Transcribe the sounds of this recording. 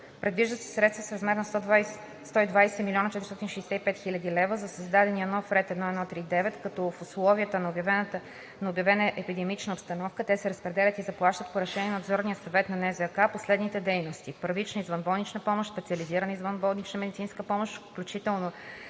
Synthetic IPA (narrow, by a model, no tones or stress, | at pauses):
pɾɛd̪viʒd̪əsɛ̥sɾɛt̪st̪və̥sɾɐzmɛɾnəs | st̪ɔid̪vajsɛmilʲiɔnət͡ʃɛt̪ɾst̪ɔt̪inʃɛjsɛipɛt̪xilʲɐd̪ilɛvəzɐsəzd̪ad̪ɛniənɔfɾɛt̪ɛd̪nɔɛd̪nɔt̪ːɾid̪ɛvɛt̪kɐt̪ɔfʊslˠɔviət̪ənɐobjɐvɛn | nɐobjɐvɛnəʔɛpid̪ɛmit͡ʃnəopst̪ɐnɔfkət̪ɛsɛɾəspɾɛd̪ɛlʲət̪izɐplˠaʃt̪ət̪poɾɛʃɛniɛnod̪zɔɾnijəsɐvɛt̪nɐnɛzɛkaposlɛd̪nit̪ɛd̪ɛjnost̪ipəɾvit͡ʃnəizvɐnbɔlˠnit͡ʃnəpɔmoʃt̪spɛt̪siɐliziɾənəizvənbɔlˠnit͡ʃnəmɛd̪itsinskəpɔmoʃfklʲut͡ʃit̪ɛlˠno